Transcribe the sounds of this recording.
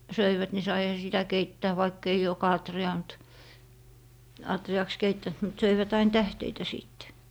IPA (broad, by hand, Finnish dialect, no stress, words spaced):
søiʋæt ni sɑihɑ sitæ keitːæː ʋɑikː ei jokɑ ɑtriɑː mŭt ɑtriɑks keitːænt mut søiʋæt ɑin tæhteitæ siˑtːe